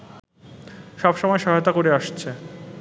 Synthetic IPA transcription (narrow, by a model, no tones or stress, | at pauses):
ʃɔbʃɔmɔeʃɔɦaot̪akoɾeaʃt͡ɕʰe